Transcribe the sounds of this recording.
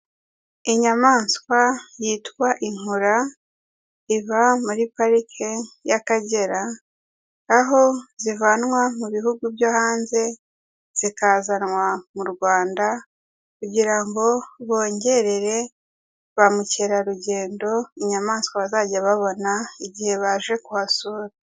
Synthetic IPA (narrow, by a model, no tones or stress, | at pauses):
iɲamaːnskwajiːtwaʔiŋuɾa | iβamuɾipaɾikʰejakaɟe̞ɾaː | ɦo̞zivanŋwamuβihuɡubjahaːnze̞ | z̥ikazanŋwamuɾɡwaːnda | kuɟiɾaŋɡo̞βo̞ːɲɟe̞ɾe̞ɾe̞ | βamuceɾaɾuɟe̞ːndo̞iɲamaːskaβazaɟaβaβo̞naiɟihe̞βaʒe̞kuhasuɾa